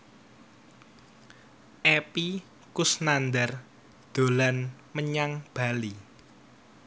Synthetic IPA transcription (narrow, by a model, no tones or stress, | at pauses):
ʔepi | kʊsnand̪ɛr | d̪̥o̤lanməɲaŋb̥a̤li